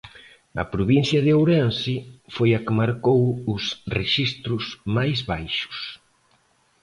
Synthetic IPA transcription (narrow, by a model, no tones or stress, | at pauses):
ɐ̰pɾoβin̟θjɐðɪowɾansifojɐkɪmaɾkowʊsreʃist̪ɾʊsmajzβajʃʊ̥s